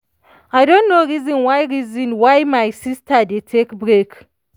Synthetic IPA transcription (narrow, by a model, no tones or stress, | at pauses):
ajdɔ̃nnoɹizɔ̃nwajɹizɔ̃nwajmajsistʰadetʰekbɾek